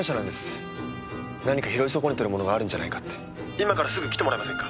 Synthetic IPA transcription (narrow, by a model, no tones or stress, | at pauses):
ɕanãnd̪esɨ̥ | naɲ̟ikaçiɾo̞iso̞ko̞ɲʲit̪oɾɯ̟mo̞no̞ɡaːɾɯ̟̃ɲ̟d͡ʑana̰ikḁt̪ːe | imakaɾasɨɡɯ̟kʲi̥t̪emoɾajimasẽ̞ŋkḁ